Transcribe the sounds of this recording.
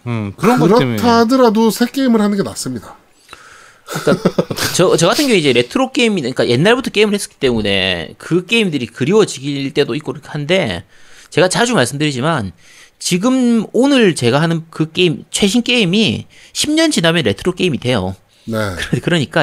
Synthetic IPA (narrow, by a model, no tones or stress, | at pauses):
kɯɾʌɯɾʌtʰadɯɾadosʰe̞k͈e̞imɯɭhanɯnɡe̞nas͈ɯmɲida | ik͈at͡ɕʌt͡ɕʌɡatʰɯnɡjʌŋuid͡ʑe̞ɾe̞tʰɯɾok͈e̞imidk͈aje̞nːaɭbutʰʌk͈e̞imɯɭhe̞s͈ɯ̥k͈i̥t͈e̞mune̞̰kɯk͈e̞imdɯɾikɯɾiwʌd͡ʑiɡiɭt͈e̞doik͈oɾkʰhande̞t͡ɕe̞ɡat͡ɕad͡ʑumaɭs͈ɯmdɯɾid͡ʑiman | t͡ɕiɡɯmonɯɭt͡ɕe̞ɡaɦanɯnkɯk͈e̞imt͡ɕʰwe̞ɕ̬ʰink͈e̞imi | ɕʰimɲʌnd͡ʑinamjʌnɾe̞tʰɯɾok͈e̞imidwe̞jo̰ | nekɯkɯɾʌɲik͈a